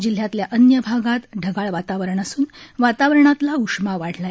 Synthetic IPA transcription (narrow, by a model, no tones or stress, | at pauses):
d͡ʑil̤jat̪ljaʔənjəbʱaɡat̪ɖʱəɡaɭʋat̪aʋəɾəɳasuːnʋat̪aʋɾəɳat̪laukʂmaʋaɽ̤ʰlaj